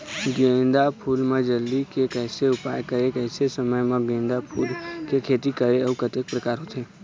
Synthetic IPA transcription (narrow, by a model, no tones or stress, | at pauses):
ɡẽːnd̪apʰuːlmãd͡ʒəld̪ikekɛːseʊpajkəɾekɛːsesəməjmãɡẽːnd̪apʰuːlkekʰeːt̪ikəɾeəukət̪ek̚pɾəkaːɾɦot̪eː